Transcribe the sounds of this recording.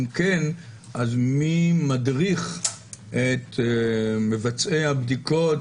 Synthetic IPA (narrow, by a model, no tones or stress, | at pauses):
mken | ʔazmimadʁiχʔet̪ | mevat͡sejhabd̪ikot